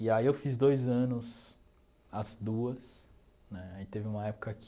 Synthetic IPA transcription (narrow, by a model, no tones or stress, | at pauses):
iaiewfizd̪ojzɐ̃nʊs | ɐzd̪uɐs | nɛait̪evɪũmɐɛpʊ̥kɐk